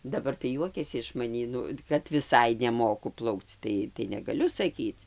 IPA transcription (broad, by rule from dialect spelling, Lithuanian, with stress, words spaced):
dɐˈbɐr tɐɪ ˈjuɔkʲɛsʲɪ ɪʃ mɐˈnʲiː ˈnʊ kɐt ʋʲɪˈsɐɪ nʲɛˈmoːkʊ ˈplˠɐʊkt͡s ˈtɐɪ tɐɪ nʲɛɡɐˈlʲʊ sɐˈkʲiːt͡s